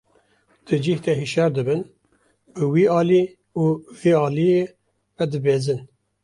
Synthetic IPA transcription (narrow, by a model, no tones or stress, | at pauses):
d̪̥ɨd͡ʒiht̪ɛɦiʃæɾd̪ɨbɨn | bɨwiːɑːliː | uːveːɑːlije | vɛd̪ɨbeːzɨn